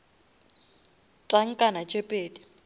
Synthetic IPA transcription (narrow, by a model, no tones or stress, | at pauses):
tʼaŋ̩kʼanat͡ʃʼepʼeːdi